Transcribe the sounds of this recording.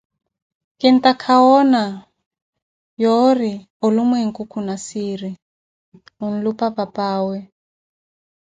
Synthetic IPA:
kɛn̩takʰaɔna | jori | olumweŋ̩kukʰunasiɾi | un̩lupapapaːwɛ

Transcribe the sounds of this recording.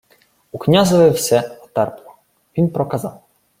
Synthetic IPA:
uknʲazɔʋɪwsɛɔt̪ɛrplˠɔ | ʋʲinpɾɔkɐzɑw

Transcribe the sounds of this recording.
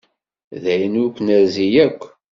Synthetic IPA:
ðæjənʊkʷːnəɾzijækʷː

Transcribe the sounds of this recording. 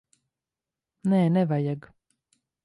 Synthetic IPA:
nɛːnɛvajaɡ

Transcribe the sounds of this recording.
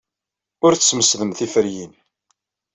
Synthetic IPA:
ʊɾθsməsðəmθifəɾjin

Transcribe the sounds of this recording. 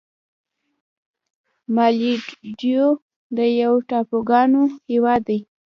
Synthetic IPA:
mɑliɖjo | d̪əjawʈɑpoɡɑnohewɑd̪ːaj

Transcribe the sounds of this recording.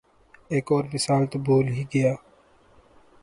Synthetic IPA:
eːkɔːɾmɪsaːlt̪oboːlɦiɡɐjaː

